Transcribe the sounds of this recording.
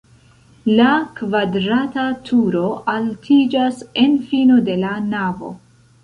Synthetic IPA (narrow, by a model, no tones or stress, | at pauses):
lakvadɾatatʰuɾo̞ʔaltʰid͡ʒase̞nfinode̞lanavo̞̰